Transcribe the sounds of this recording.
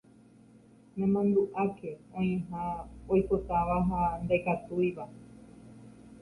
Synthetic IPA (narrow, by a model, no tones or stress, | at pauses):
nẽmãnd̪uʔake̞õj̃ẽɦãojpot̪aʋaɦand̪ekat̪ujʋa